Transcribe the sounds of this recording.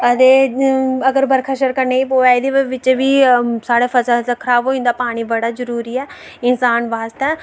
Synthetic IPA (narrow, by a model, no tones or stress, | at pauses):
ət̪eːəɡəɾbəɾkʰəʃəɾkəɾneːiːpoːaːid̪eːʋɪt͡ʃʋiːsaːɽaːfʰəzazəkʰɾaːʋoːɪ̃nd̪aːpaːɽ̃iːbəɽaːzəɾuːɾiːɛː | ɪnsaːnʋaːst̪ɛː